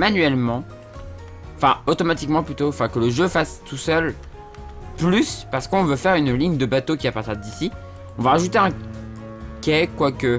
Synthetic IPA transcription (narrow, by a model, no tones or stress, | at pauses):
manɥɛlmɑ̃ | ɑ̃fɛ̰̃ot̪ɔmat̪ikmɑ̃plyt̪oɑ̃fɛ̃kələʒøfast̪usœl | plyspaʁsə̥kɔ̃vøfɛʁynliɲd̪əbat̪okʲiapaʁt̪iʁd̪isi | ɔ̃vaaʒut̪eɛ̃ | kʲɛkwakə